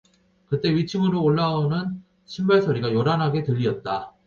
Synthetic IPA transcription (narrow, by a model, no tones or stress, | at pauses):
kɯt̚t͈e̞ɥit͡ɕʰimɯɾoːɭːaonɯn | ɕʰimbʌɭsʰʌɾiɡajoɾanɦaɡe̞tɯʎːiʌt̚t͈a